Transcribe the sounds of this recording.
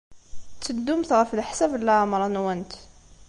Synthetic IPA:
t̪ːəd̪umt̪ɣæfilħsæblːæʕamɾˤɑnwænt̪

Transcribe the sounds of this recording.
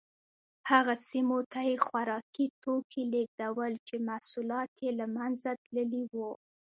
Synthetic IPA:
haɣasimot̪ajexwaɾɑkit̪okʰileɡ̚d̪awəlt͡ʃemasulɑt̪jelamanzat̪ləliwu

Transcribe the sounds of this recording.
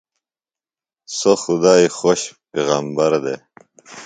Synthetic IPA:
soxud̪aːixoɕpeɣaːmbɐɾd̪e

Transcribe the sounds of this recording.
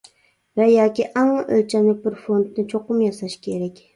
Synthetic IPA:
vajɒkʲiʔaŋʔɵ̰lt͡ʃʰamlɪk̚ʲbɪɾfo̞nd̪nɪt͡ʃʰoqʊmjɑsaʃkʲʰe̞ɾakʲ

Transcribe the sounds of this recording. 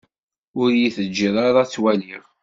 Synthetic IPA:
ʊɾjiθəd͡ʒːiðˤaɾˤat͡sːwæliʁ

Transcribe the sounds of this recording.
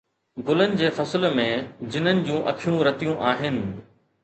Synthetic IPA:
ɡʊlənɪ̆d͡ʑeːfɐsɪlmẽd͡ʑɪn̤ənɪ̆d͡ʑũːʔɐ̰kʰijũɾɐt̪ijũʔaːɦɪnɪ̆

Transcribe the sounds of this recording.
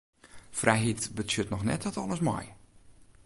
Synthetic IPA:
frɛjɦitbətsjøtnɔxnɛ̰t̚ɔtɔlˠəsmɔ̰j

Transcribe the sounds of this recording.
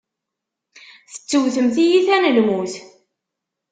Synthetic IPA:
θə̥t͡sːəwθəmθijiθænəlmuθ

